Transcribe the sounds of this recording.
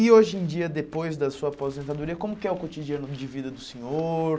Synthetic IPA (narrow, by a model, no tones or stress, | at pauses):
ɪoʒẽj̃d͡ʒiɐd̪epojzd̪ɐsuɐapozẽnt̪ad̪uɾiɐkõmʊkɪɛʊkot͡ʃid͡ʒiɐ̃nʊd͡ʒɪvid̪ɐd̪ʊsẽɲoɾ